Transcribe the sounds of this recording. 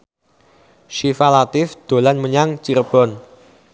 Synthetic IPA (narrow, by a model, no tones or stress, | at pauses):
ʃifalat̪ɪfd̪̥o̤lanməɲaŋt͡ʃirb̥ɔn